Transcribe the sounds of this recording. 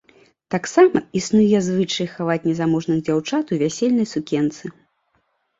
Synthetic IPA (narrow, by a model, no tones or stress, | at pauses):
t̪aksamɐisnujɛzvɨt͡ʂɐjxavat͡sʲnʲɛzamɔʐnɨɣd͡zʲawt͡ʂat̪uvʲasʲɛlʲnɐjsukʲɛnt̪sɨ